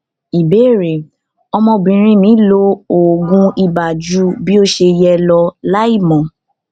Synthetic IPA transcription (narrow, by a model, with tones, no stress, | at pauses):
i˨be˨˦˨ɾe˨ | ɔ˧mɔ̃˧˨bĩ˨ɾ̃ĩ˧˦mĩ˨˦lo˦o˨ɡũ˧i˧ba˨d͡ʒu˦bi˦o˦ʃe˧jɛ˧lɔ˧la˦i˦˨mɔ̃˨